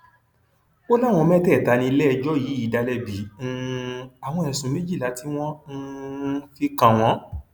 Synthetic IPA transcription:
o˦la˦˨w̃ɔ̃˧mɛ̃˦tɛ˦˨ta˨˧nĩ˧lɛ˦˧d͡ʒɔ˦ji˨˦i˨˦da˧lɛ˧bĩ˨˦˧a˨w̃ɔ̃˧ɛ˨˧sũ˨˧˦mẽ˦d͡ʒi˦˨la˨˦ti˦w̃ɔ̃˦n̩˦fi˦kã˨w̃ɔ̃˨˦

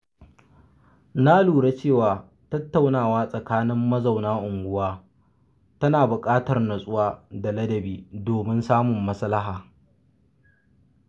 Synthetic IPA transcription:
na˦luː˨ɽa˦t͡ʃeː˦˨waː˨ | tɐ˦tːa˨wnaː˨waː˦sʼɐ˨kaː˦nɪ˦mːɐ˦za˨wnaː˦ʔʊ˨ŋɡʷʊ˦waː˦ | tɐ˦naː˨bʊ˨kʼaː˦tɐ˨rnɐ˨sʼʊ˦waː˦da˨lɐ˦dɐ˨biː˦doː˨mɪ˦nsaː˦mʊ˨mːɐ˦sɐ˦lɐ˦ɦaː˨

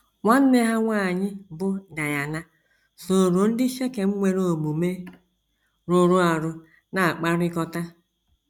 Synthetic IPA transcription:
ŋʷa˦n̩˦ne˦ɦa˦ŋʷa˦˨ɲɪ˦bʊ˦da˨ja˨na˦ | so˨ɾo˨n̩˦dɪ˦ʃe˦ke˨ŋ͡m̩˦ŋʷe˦ɾo˦o˨ɡ͡bu˨me˦ | ɾo˨ɾo˦a˨ɾʊ˨ | na˨a˨k͡pa˦ɾɪ˦kɔ˦ta˦

